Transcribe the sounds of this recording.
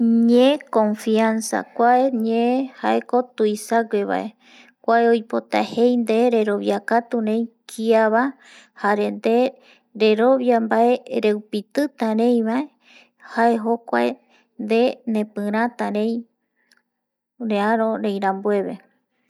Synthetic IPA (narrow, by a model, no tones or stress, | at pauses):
ɲẽkõ̞ɱfiansa̰kʷaeɲẽhaʔeko̞t̪uisaɡʷeβa̰ʔe̞ | kʷaeojpo̞t̪ahejnd̪eɾe̞ɾo̞βjakat̪uɾẽj̃kʰiaβa | haɾend̪e | ɾe̞ɾo̞βjambaʔe̞ɾe̞wpit̪ɨt̪aɾẽj̃βae̞ | haeɦokʷa̰e | nd̪enẽpɨ̃ɾ̃ãt̪aɾẽ̞j̃ | ɾeaɾõɾẽj̃ɾãmbue̞βe